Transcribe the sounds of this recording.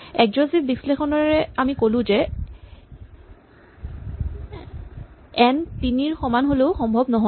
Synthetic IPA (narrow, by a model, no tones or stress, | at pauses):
ɛkd͡ʒosibbislexɔnɔɹɛamikolʊ̃zɛ | ɛntiniɹxɔmanɦoleʊxɔmbʱɔbnɔɦɔ